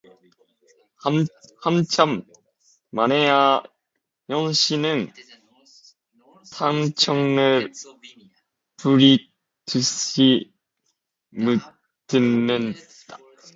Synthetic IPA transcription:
hamt͡ɕʰamː | aneja | jʌŋɕinɯn | tʰaŋt͡ɕʰʌŋɯɭ | puɾi | tɯɕi | mɯ | tɯnːɯn | d̥a

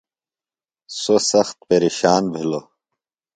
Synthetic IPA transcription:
sosɐxt̪̚peɾeɕaːnbʱilo

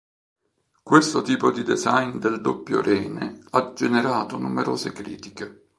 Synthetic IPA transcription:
kwest̪ʊt̪iːpod̪id̪ezajnd̪eld̪opːjo̰ɾʔɛːnead͡ʒeneɾaːt̪onumeɾoːzekɾḭːt̪i̥ke

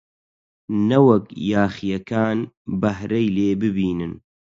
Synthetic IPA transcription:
nɐwɐkjaːχijɐkaːnbɐhɾɐjleːbɨbiːnɨn

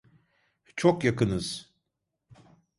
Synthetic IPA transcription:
t͡ʃʰokjakɯnɯz̥

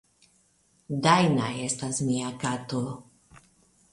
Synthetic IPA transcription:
dajnaje̞stasmiakat̪o

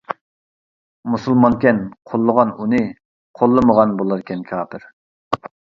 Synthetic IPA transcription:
musulˠmɑnkʲɛnqʰolˠːəʁɑnunɨ | qʰolˠːɨməʁɑnbolˠɨɾkʲʰɛnkʲʰɑːpʰɪɾ

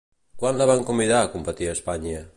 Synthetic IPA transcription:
kwanlaβaŋkumbiðaːkumbat̪iɾaspaɲə

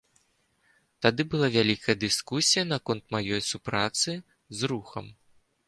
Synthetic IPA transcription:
t̪ad̪ɨbɨlˠavʲalʲikɐjɐd̪ɨskusʲijɐnakɔnt̪̚majɔjsupɾat̪sɨ | zɾuxɐm

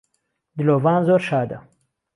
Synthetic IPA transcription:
d̪ilovɑːnzoɾʃɑːd̪a

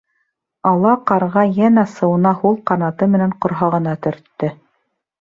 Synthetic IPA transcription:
ɑlˠɑqɑɾʁɑjænæsɤ̆wɤ̆nɑhulˠqɑnɑt̪ɤmɘ̆næŋqŏɾɦɑʁɤ̆nɑt̪ɵ̆ɾt̪ːɘ

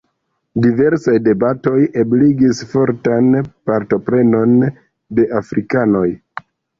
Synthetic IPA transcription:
dive̞ɾsajde̞bato̞jebliɡisfo̞ɾtanpaɾto̞pɾe̞no̞n | de̞ʔafɾikano̞j

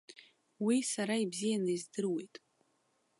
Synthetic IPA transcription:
wisaɾaibzijanɨjzdɨrwe̞jtʼ

